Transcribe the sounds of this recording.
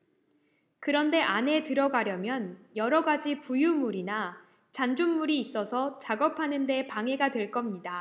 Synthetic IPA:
kɯɾʌnde̞ʔane̞tɯɾʌɡaɾjʌmjʌnjʌɾʌɡad͡ʑipujumuɾina | t͡ɕand͡ʑunːuɾiːs͈ʌsʰʌt͡ɕaɡʌpʰanɯnde̞paŋe̞ɡadwe̞ɭk͈ʌmɲida

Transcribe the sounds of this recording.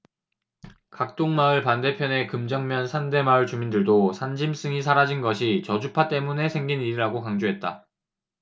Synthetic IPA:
kak̚t͈oŋmaɯɭpande̞pʰjʌne̞kɯmd͡ʑʌŋmjʌnsʰande̞maɯɭt͡ɕumindɯɭdosʰand͡ʑims͈ɯŋis̬ʰaɾad͡ʑinɡʌɕʰit͡ɕʌd͡ʑupʰat͈e̞mune̞sʰe̞ŋɡiniɾiɾaɡokaŋd͡ʑoɦe̞t̚t͈a̰

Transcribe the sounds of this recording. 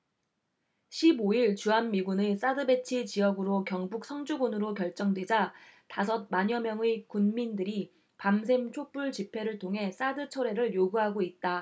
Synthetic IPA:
ɕʰiboiɭt͡ɕuɦanmiɡunes͈adɯbe̞t͡ɕʰit͡ɕiʌɡɯɾokjʌŋbuk̚s͈ʰʌŋd͡ʑuɡunɯɾokjʌɭt͡ɕ͈ʌŋdwe̞d͡ʑatasʰʌt̚maɲʌmjʌŋekunmindɯɾi | pams̬ʰe̞ŋt͡ɕʰop͈uɭt͡ɕipʰe̞ɾɯɭtʰoŋɦe̞s͈adɯt͡ɕʰʌɾe̞ɾɯɭjoɡuɦaɡoit̚t͈a

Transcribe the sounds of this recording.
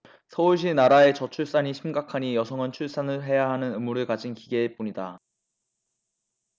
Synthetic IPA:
sʰʌuɭɕ̬ʰinaɾae̞t͡ɕʌt͡ɕʰuɭs͈aɲiɕʰimɡakʰaɲijʌsʰʌŋɯnt͡ɕʰuɭs͈anɯɭɦe̞jaɦanɯnɯmuɾɯɭkad͡ʑinkiɡe̞ːp͈uɲida

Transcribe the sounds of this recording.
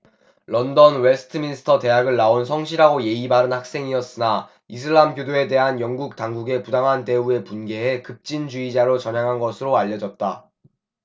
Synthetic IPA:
lʌndʌnwesʰɯ̥tʰɯminsʰɯ̥tʰʌte̞ɦaɡɯɭːaonsʰʌŋɕ̬ʰiɾɦaɡoje̞ibaɾɯnhak̚s͈e̞ŋiʌs͈ɯna | is̬ʰɯɭːamɡjodoe̞de̞ɦanjʌŋɡuk̚taŋɡuɡe̞pudaŋɦante̞ue̞punɡe̞ɦe̞kɯp̚t͡ɕ͈ind͡ʑuid͡ʑaɾot͡ɕʌɲjaŋɦanɡʌsʰɯɾoaʎːʌd͡ʑʌt̚t͈a

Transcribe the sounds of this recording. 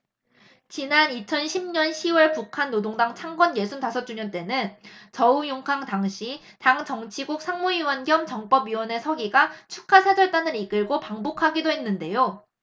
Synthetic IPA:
t͡ɕinanit͡ɕʰʌnɕʰimɲʌnɕʰiwʌɭpukʰanːodoŋdaŋt͡ɕʰaŋɡwʌnjesʰuntasʰʌt͡ɕ͈uɲʌnt͈e̞nɯnt͡ɕʌujoŋkʰaŋtaŋɕʰi | taŋt͡ɕʌŋt͡ɕʰiɡuk̚sʰaŋmuiwʌnɡjʌmt͡ɕʌŋp͈ʌbɥiwʌne̞sʰʌɡiɡat͡ɕʰukʰasʰad͡ʑʌɭt͈anɯɾik͈ɯɭɡopaŋbokʰaɡidoɦe̞nːɯnde̞jo

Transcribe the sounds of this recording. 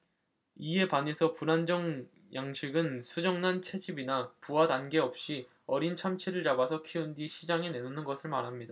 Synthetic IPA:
ie̞pane̞sʰʌpunand͡ʑʌŋ | jʔaŋɕʰiɡɯnsʰud͡ʑʌŋnant͡ɕʰe̞d͡ʑibinapuadanɡe̞ʌp̚ɕ͈i | ʌɾint͡ɕʰamt͡ɕʰeɾɯɭt͡ɕabasʰʌkʰiundiɕʰid͡ʑaŋene̞nunɯnɡʌsʰɯɭmaɾɦamɲida

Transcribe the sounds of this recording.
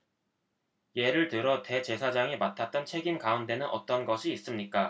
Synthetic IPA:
je̞ɾɯɭtɯɾʌte̞t͡ɕe̞sʰad͡ʑaŋimatʰat̚t͈ʌnt͡ɕʰe̞ɡinkaundʰe̞nɯnʔʌ̰t͈ʌnɡʌɕʰiːs͈ɯmɲik͈a

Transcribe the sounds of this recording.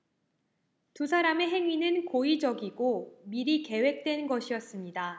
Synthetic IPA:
tusʰaɾame̞ɦe̞ŋinɯnkoid͡ʑʌɡiɡomiɾike̞we̞k̚t͈we̞nnɡʌɕʰijʌs͈ɯmɲida

